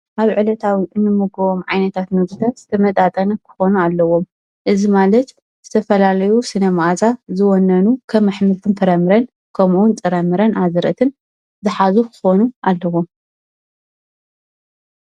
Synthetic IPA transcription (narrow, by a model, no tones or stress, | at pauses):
ʔaβʕɨlɐt̪ʰawiʔɨnːɨmɨɡoβomʕajnɐt̪ʰat̪nɨɡt̪ʰɐz̥ɨt̪ʰɐmɐt̪ʼat̪ʼɐnɐkʰɨ̥xo̞nualːɐwom | ʔɨzimalɐt̪ | z̥ɨt̪ʰɐfɐlalɐjusɨnɐmaʔzazɨwɔnːɐnukʰɐβmːɨħmɨt̪ʰɨnfʰɐɾɐmɨɾɐn | kʰɐmuunt͡sʼɨɾɐmɨɾɐnazɨɾɐ̰t̪ʰɨn | zɨħazukʰɨ̥xo̞nuʔalːɐwom